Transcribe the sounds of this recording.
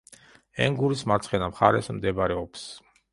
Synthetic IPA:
ɛ̰ŋɡuɾismaɾt̪sʰχɛnamχaɾɛsmd̪ɛbɾɛɔps

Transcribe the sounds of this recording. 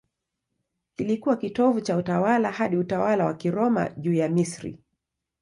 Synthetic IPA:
kilikuwakitɔvut͡ʃautawalahaɗiutawalawa̰kiɾɔma̰ʄuːjamisɾḭ

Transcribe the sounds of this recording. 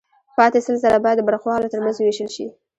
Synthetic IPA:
pɑt̪esəlzaɾabɑjad̪ːəbaɾaxwɑlot̪əɾmanzweʃəlʃi

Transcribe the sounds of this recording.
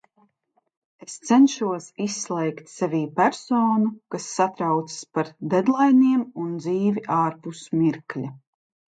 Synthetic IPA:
est̪sɛnʃuɔsisːlˠɛjkt̪sɛvʲiːpæɾsɔːnukasːat̪ɾawt̪sɨ̥spaɾd̪ed̪lˠajniɛmund̪ziːvʲiʔaːɾpusmiɾklʲa

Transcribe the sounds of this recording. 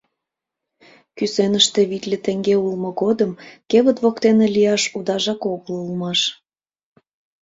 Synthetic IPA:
kysenəʃt̪eβit̪lʲet̪eŋɡeulmŏɣod̪əmkeβət̪βokt̪enelʲijɑʃud̪ɑʒɑkoɣəlulmɑʃ

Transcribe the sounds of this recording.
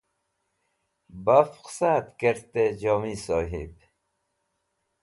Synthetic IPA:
bafqsaːt̪kəɾt̪ed͡ʑɔːmiːsɔːɦḭb

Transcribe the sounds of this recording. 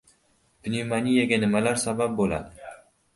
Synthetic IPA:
b̥nimanijaɡʲanɪmalaɾsabap̚bola̰d̪ɪ

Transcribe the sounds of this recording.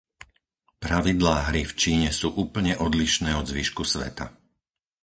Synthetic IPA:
pɾaʋid̪laːɦɾift͡ʃiːɲɛsuːʔuːpl̩ɲɛʔɔd̪liʃnɛːɔd̪zʋiʃkusʋɛ̰t̪a̰

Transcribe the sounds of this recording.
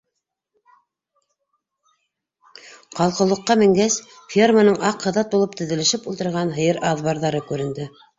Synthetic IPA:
qɑlˠqɤ̆lˠɤ̆qːɑmɘ̆ŋɡæs | fʲermanɤɴʔɑqʰːɤ̆ðɑt̪̚bulˠɤp̚t̪ɵ̆ðɘ̆lɘ̆ʃɘpulˠt̪ɤ̆ɾʁɑnɦɤ̆jɤɾʔɑðβɑɾðɑɾɤkʉɾɘ̆nd̪ɘ

